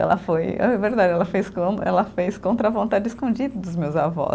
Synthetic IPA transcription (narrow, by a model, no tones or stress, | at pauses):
ɛ̰lɐ̰fojɛ̰ɛveɾd̪ad͡ʒɪɛlɐfejskõɛlɐfejskõnt̪ɾɐvõnt̪ad͡ʒɪiskõd͡ʒid̪ɐd̪ʊzmewzavɔ̰